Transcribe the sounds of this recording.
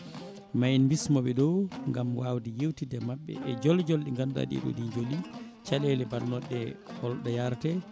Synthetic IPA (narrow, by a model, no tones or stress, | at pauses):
majnmbismɔɓɛɗɔŋɡamwawdijewtidɛmaɓːɛ̰ʔɛd͡ʒɔld͡ʒɔlɗiŋɡanda̰ɗḭɗɔ̰diɲd͡ʒoli | t͡ʃalɛlɛbalnɔɗːɛhɔlɗɔjaɾtɛ